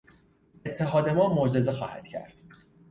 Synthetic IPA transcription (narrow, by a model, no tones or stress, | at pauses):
e̞t̪ʰːe̞ɦɒːd̪e̞mɒːmod͡ʒe̞zexɒ̰ːhæ̰d̪̥cʰæ̰ɾd̪̥